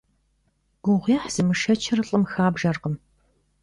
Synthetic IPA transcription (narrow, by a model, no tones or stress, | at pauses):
ɡʷʊʁʷiħz̥ɨmɨʃɐt͡ʃʰɐrɨɬʼɨmxaːbʒɐrqəm